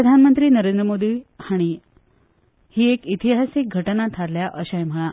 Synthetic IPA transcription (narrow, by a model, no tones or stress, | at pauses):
əd̪ʱanmənt̪ɾiːnəɾend̪ɾəmod̪ʱiːhaɽ̃i | hiːekit̪iɦasik̚ɡʱəʈənat̪ʰaɾljaʔəɕajm̤əɭa